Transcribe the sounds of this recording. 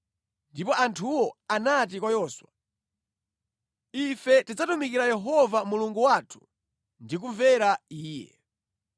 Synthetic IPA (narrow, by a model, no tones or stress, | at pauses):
ndipɔʔantʰuwɔanat̬ikwajɔːswa | ifɛtid͡zatumikiɾajɛɦɔvamuluŋɡuwatʰu̥ | ndik̬uɱvɛɾaiːjɛ̰